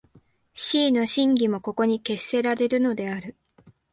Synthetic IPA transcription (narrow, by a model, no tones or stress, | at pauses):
ɕiːno̞ɕĩŋɡʲimo̞ko̞ko̞ɲ̟ike̞sːe̞ɾaɾe̞ɾɯ̟no̞d̪e̞aɾɯ̟